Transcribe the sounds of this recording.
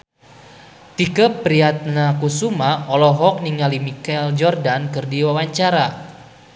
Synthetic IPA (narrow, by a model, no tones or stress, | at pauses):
t̪ikəpɾiat̪̚nakusumaɔlɔɦɔk̚niŋalimikɛld͡ʒɔrdankɨrdiwawaɲt͡ʃaɾa